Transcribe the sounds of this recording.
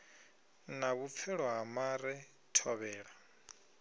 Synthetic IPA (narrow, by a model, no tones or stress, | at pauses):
naβup̪fʰɛɺɔɦamaɾɛ | tʰɔβɛːɺa